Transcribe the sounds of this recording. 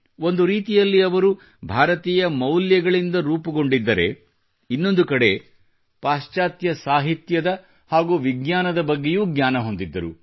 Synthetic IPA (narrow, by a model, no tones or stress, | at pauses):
o̞nd̪uɾiːt̪ijɐlːiɐʋɐɾu | bʱaːɾɐt̪iːjɐmɐwljɐɡɐɭind̪ɐɾuːpɐɡo̞ɳɖid̪ːɐɾḛ | inːo̞nd̪ukɐɽe̞ | paːʃt͡ʃaːt̪jɐsaːɦit̪jɐd̪ɐ | haːɡuːʋiɡɲaːnɐd̪ɐbɐɡːejuːɡɲʲaːnɐɦo̞nd̪id̪ːɐɾṵ